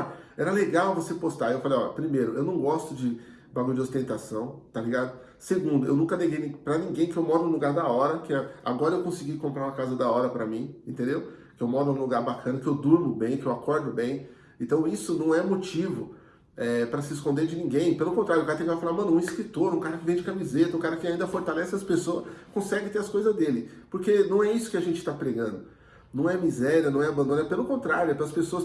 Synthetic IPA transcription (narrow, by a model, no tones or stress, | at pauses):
ɛɾɐleɡawvosepost̪aewfalejɔlɐpɾimejɾʊʔewnɐ̃w̃ɡɔst̪ʊd͡ʒɪ | baɡʊd͡ʒɪost̪ẽnt̪asɐ̃w̃t̪aliɡad̪ʊ | seɡũd̪ʊewnũkɐneɡejnĩpɾɐnĩɡẽj̃kɪewmɔd̪ũluɡaɾd̪ɐɔɾɐkɪɛa̰ɡɔɾɐewkõsiɡikõpɾaɾũmɐkazɐd̪aɔɾɐpɾɐmĩẽnt̪ẽnd̪ewkɪewmɔd̪ʊ̃ũluɡaɾbakʰɐ̃nɐkɪewd̪uɾmʊbẽj̃kɪewakɔɾd̪ʊbẽj̃ | ẽnt̪ɐ̃w̃isʊnɐ̃w̃ɛmot͡ʃivʊ | ɛpɾɐsɪːskõnd̪eɾd͡ʒɪnĩɡẽj̃pelʊkõnt̪ɾaɾjʊkaɾɐt̪ẽkvajfalaɾmɐ̃nʊũiskɾit̪oɾũkaɾɐkɪvẽd͡ʒɪkamizet̪ɐũkaɾɐkɪaĩd̪ɐfoɾt̪alɛsɪɐspesoɐkõsɛɡɪ̃t̪eɾɐskojzɐzd̪elɪpoɾkenɐ̃w̃ɛisʊ̥kɪaʒẽnt͡ʃɪ̥t̪apɾeɡɐ̃nd̪ʊ | nɐ̃w̃ɛmizɛɾiɐnɐ̃w̃ɛabɐ̃nd̪õnɐpelʊkõnt̪ɾaɾjʊɛpelɐspesoɐs